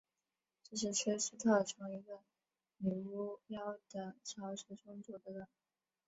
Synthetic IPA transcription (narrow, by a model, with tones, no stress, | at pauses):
ʈ͡ʂɤ˥˧ʂ̬ɻ̩˥˩ʈ͡ʂʰwe˥ɪʂ̩˥t̪ʰɤ˥˩ʈ͡ʂʰɤ˧˥ŋi˧˥ɡə˧ | mi˧˩u˧˥pjɑ˥ʊ˩d̪ə˩t͡ɕʰjɑ˧˥ʊʂɛ˧˥ʈ͡ʂʰʊ˥ŋt͡sɔ˨˩d̪ə˧˦ɻə˨˩˦ŋ